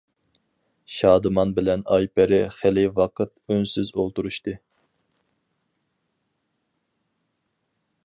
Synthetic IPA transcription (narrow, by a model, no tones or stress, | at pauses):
ʃɑːd̪ɨmɑnbɪlɛnɑjpʰɛɾɪχɪlɪvɑqɨt̪̚ønsyzolˠt̪uɾuʃt̪ɨ